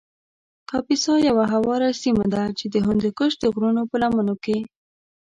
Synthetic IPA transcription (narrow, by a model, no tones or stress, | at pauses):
kɑpisɑjawaɦawɑɾasimad̪at͡ʃed̪əɦʊnd̪ekəʃd̪əɣɾunopəlamənoke